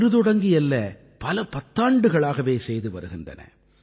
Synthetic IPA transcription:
ɾɯðɔɽɐŋɡɪjɛlːɐ | pɐlɐpɐt̪ːaːɳɖɯɣɐɭaːɣɐʋeːsɛjðɯʋɐ̰ɾɯɣɪndɐ̰nɐ̰

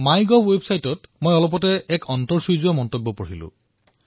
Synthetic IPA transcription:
majɡɔbwebsajtɔtmojɔlɔpɔtɛɛkʰɔntɔɹsuzuamɔntobːɔpoɹilʊ̰̃

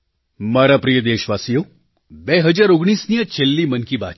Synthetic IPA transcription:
mɐːɾapɾijəd̪eːʃʋaːsijo | bɛːɦɐd͡ʒaːɾʊɡɳ̃iːsnijat͡ʃelːimɐnkiba̰ː

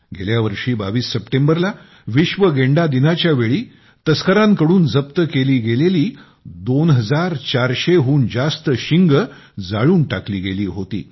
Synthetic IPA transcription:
ɡḛljaʋəɾʂiːbaʋiːsːəpʈembəɾla | ʋiɕʋəɡeɳɖad̪inat͡ɕjaʋeɭiː | t̪əskəɾãŋkəɽuːnd͡zəp̚t̪əkeliːɡeleliː | d̪onɦəd͡zaɾt͡ɕaɾɕeɦuːnd͡zast̪əɕiŋɡ | d͡zaɭuːnʈakliːɡeliːɦot̪ḭː

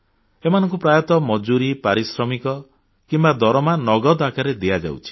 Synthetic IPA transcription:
emanɔ̃ŋkupɾajɔt̪ɔmɔd͡ʒuɾipaɾisɾɔmikɔ | kimbad̪ʱɔɾɔmanɔɡɔd̪akaɾed̪ijad͡ʒa̰wt͡ʃʰi̥

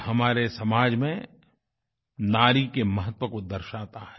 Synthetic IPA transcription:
hɐmaːɾesɐmaːd͡ʒmẽ | naːɾikemɐɦət̪wəkod̪ɐɾʃaːt̪aɦɛ

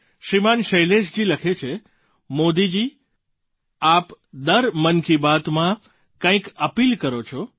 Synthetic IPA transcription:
ʃimanʃəjleʃd͡ʒiləkʰet͡ʃʰe | mod̪id͡ʒi | apd̪əɾmənkibat̪mã | kə̃ĩkəpilkəɾot͡ʃʰo

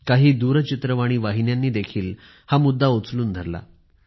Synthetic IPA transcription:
kaɦiːd̪uɾət͡ɕit̪ɾəʋaɽ̃iːʋaɦinjanːiːd̪ekʰiːl | hamud̪ʱːaot͡sluːnd̪ʱəɾla̰

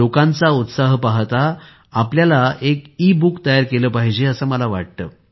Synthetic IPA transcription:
okãnt͡saut̪saɦpaɦt̪a | apljalaekiːbukt̪əjaɾkeləpaɦid͡ʑeəsəːməlaʋa̰ʈ̚t̪əː

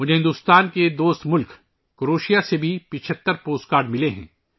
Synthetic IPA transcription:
mʊd͡ʒʱeɦɪ̃nd̪ʊst̪aːnked̪oːst̪mʊlk | kɾoːʃijasebʱipɪt͡ʃʰət̪ːəɾpoːskaːɾɖmɪleɦɛ̰̃ː

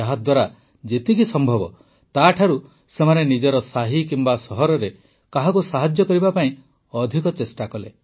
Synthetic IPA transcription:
aɦat̪̚d̪waɾa | d͡ʒet̪ikisɔmbʱɔbɔ | t̪aʈʰaɾu | semanenid͡ʒɔɾɔsaɦikimbasɔɦɔɾɔɾe | kaɦakusaɦad͡ʒjɔkɔɾibapaĩ | ɔd̪ʱikɔt͡ʃesʈakɔle

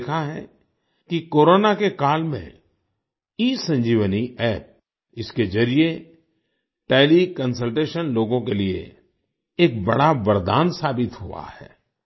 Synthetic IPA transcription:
kʰaɦɛ̰̃ | kikoːɾoːnakekaːlmḛ̃ | iːsə̃ɲd͡ʒiːʋəniɛːp̚ | ɪsked͡ʒɐɾije | ʈɛːlikə̃nsəlʈeːʃənloːɡõkeliḛ | eːk̚bɐɽabɐɾd̪a̰ːnsaːbɪt̪ɦua̰hɛ̰ː

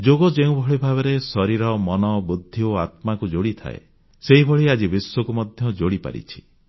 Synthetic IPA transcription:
d͡ʒoɡɔd͡ʒeũbʱɔɭibʱaβeɾesɔɾiɾɔmɔnɔbud̪ʱːioat̪̚makud͡ʒoɽit̪ʰa̰ḛ | seɦibʱɔɭiad͡ʒibiswɔkumɔd̪ʱjɔd͡ʒoɽipa̰ɾḭt͡ʃʰi̥

